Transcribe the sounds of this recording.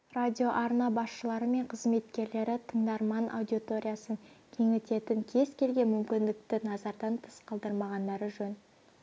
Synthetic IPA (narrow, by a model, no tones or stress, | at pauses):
radʲijo̞ʔɑɾnɑbɑsʃəlˠɑɾəme̞ɴqʰəzme̞t̪kʲe̞ɾle̞ɾɪt̪ʰəɴd̪ɑɾmɑnʔa̰wd̪ʲiot̪o̞ɾʲijɑsəŋkʲʰe̞ŋɪt̪e̞t̪ɪŋkʲʰe̞zkʲʰe̞lɡʲe̞mʏmkʲɪnd̪ɪk̚t̪ɪnɑzɑɾd̪ɑnt̪ʰə̥sqʰɑlˠd̪əɾmɑʁɑnd̪ɑɾəʒɵn